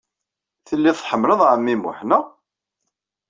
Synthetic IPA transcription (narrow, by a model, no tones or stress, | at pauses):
θəlːiðˤħəmːləðˤʕəmːimṵħnæ